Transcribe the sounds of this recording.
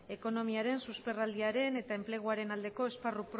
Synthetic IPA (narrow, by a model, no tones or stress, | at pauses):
e̞ko̞no̞miaɾe̞nsuspe̞rald̪iaɾe̞ne̞t̪aemple̞ɣ̞uaɾe̞nald̪eko̞e̞sparupɾ